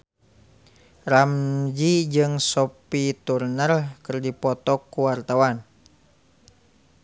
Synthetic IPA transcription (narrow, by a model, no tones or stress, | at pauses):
ramd͡ʒid͡ʒɨŋsɔpit̪urnərkɨrdipɔt̪ɔkːuwart̪awan